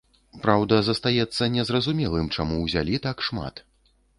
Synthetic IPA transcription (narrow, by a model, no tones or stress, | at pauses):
pɾawd̪ɐzɐst̪ajɛt̪sːɐnʲɛzɾrɐzumʲɛlˠɨmt͡ʂamuwzʲa̰lʲit̪akʂma̰t̪